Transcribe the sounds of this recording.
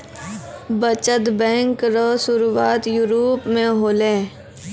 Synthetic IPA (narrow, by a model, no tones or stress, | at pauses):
bət͡ʃət̪bɛ̃ːŋkɾɔːsʊɾuaːt̪juːɾoːpmẽɦoːlẽː